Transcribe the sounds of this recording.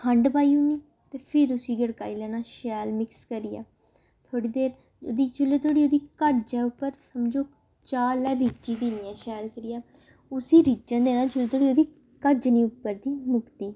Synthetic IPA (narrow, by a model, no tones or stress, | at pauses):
kʰəɳɖbaːiũːniː | t̪eːpʰɪɾʊsiːɡəɽka̰ːiːlɛːnãːʃɛːlmɪkskəɾiːa̰ː | t̪ʰoːɽiːd̪eːɾ | oːd̪iːt͡ʃʊlːeːt̪ʰoːɽiːoːd̪iːkəd͡ʒɛːʊpːəɾsəmd͡ʒoː | t͡ʃaːlɛːɾit͡ʃiːd̪iniːãːʃɛːlkəɾiːjaː | ʊsiːɾiːd͡ʒãːd̪eːnãːt͡ʃʊleːt̪oːɽiːoːd̪iː | kəd͡ʒnĩːʊpːəɾd̪iːmʊkt̪iː